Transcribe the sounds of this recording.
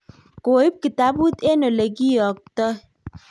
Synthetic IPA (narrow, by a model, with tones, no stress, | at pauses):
ko˨i˦p̚ki˨ta˦bu˦t̪e˦no˨le˨ɡi˦jɔ˨k̚t̪ɔ˦